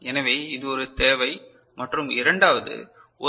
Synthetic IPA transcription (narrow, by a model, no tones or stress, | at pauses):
ɛnɐʋeːɪðɯɔɾɯt̪eːʋɐɪ | mɐʈrɯmɪɾɐɳɖaːʋɐðɯ̰ | ɔ